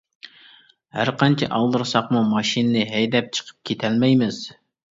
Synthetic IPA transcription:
hæ̰ɾqʰɑnt͡ʃʰɛʔɑlˠd̪ɨɾsɑqmumɑʃinɨnɨɦɛjd̪ɛp̚t͡ʃʰə̥qʰə̥p̚kʲʰet̪ʰɛlmɛjmɪz̥

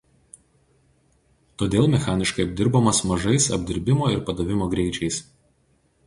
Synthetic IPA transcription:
t̪oːd̪ʲeːlˠmʲɛxɑːnʲɪʃkɐɪɐbʲd̪ʲɪɾbɐmɐsmɐʒɐɪsɐ̰bʲd̪ʲɪɾʲbʲɪmoːɪɾpɐd̪ɐʋʲɪmoːɡɾʲɛɪt͡ʃʲɛɪs

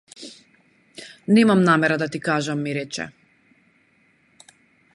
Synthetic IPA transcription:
nɛmamnamɛɾad̪at̪ikaʒamːiɾɛt͡ʃɛ̰

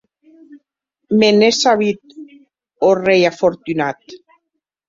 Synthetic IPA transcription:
menesaβit̪̚ | orejafoɾt̪ynat̪

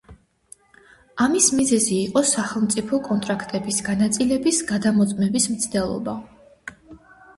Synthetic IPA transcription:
amismizɛziːqʼɔsaχɛlˠmt̪sʼipʰɔkʼɔnt̪ʼɾakʰt̪ʼɛbisɡanat̪sʼilɛbisɡad̪amɔt̪sʼmɛbismt̪sʰd̪ɛlˠɔ̰ba

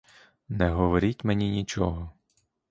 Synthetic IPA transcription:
nɛɦɔʋɔɾʲitʲmenʲinʲit͡ʃɔɦɔ

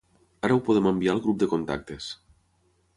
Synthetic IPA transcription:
aɾəuwpoð̞emembialˠɣɾup̚d̪ekont̪a̰k̚t̪es

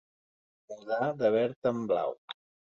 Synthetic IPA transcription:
muðaðəβɛɾt̪əmbla̰w

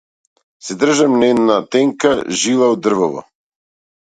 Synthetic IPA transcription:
sɛd̪ər̩ʒamnɛd̪nat̪ɛŋkaʒilˠaud̪r̩vɔvɔ̰

